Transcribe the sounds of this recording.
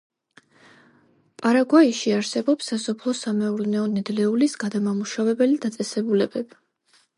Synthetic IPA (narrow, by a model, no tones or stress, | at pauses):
pʼaɾaɡwaiʃiaɾsɛbɔpsːasɔpʰlˠɔsamɛulnɛɔnɛd̪lɛulisɡad̪amamuʃavɛbɛlid̪at̪sʼɛsɛbulɛbɛb̥i